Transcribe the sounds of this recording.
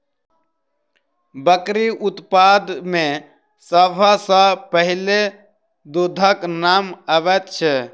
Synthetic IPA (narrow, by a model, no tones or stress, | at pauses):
bəkɾiʔʊt̪paːd̪mẽ | səbʱasãpəɦɪle | d̪od̪ʱaknaːməʋɛt̪t͡ʃʰɛ